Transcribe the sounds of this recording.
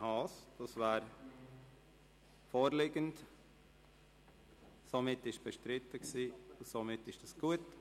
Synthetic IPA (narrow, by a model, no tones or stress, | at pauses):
hɑːsd̥ɑsvɛːɾ | foːɾlɪɡənt | somɪtːɪʃb̥ɛʃtɾɪtːəksiːʊsomɪtːɪʃd̥ɑsɡ̥uət